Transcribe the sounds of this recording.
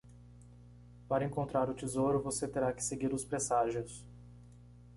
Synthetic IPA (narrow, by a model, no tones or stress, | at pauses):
paɾɐẽŋkõnt̪ɾaɾʊt͡ʃizowɾʊvoset̪eɾakɪ̥seɡiɾʊspɾesaʒʊs